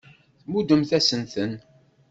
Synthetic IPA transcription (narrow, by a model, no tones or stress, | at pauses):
θmud̪əmθæsənθən